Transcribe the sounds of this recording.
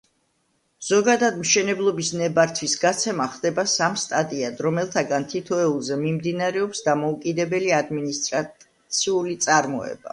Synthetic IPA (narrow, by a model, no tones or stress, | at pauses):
z̥ɔɡad̪ad̪mʃɛnɛblˠɔbisnɛbaɾt̪ʰwisɡat̪sʰɛmaχd̪ɛbasamst̪ʼad̪ʼiad̪ɾɔmɛlˠt̪ʰaɡant̪ʰit̪ʰɔɛulˠzɛmimd̪inaɾɛɔpsd̪amɔukʼid̪ɛbɛliad̪minist̪ʼɾa | t̪sʰiulit̪sʼaɾmɔ̰ɛ̰ba̰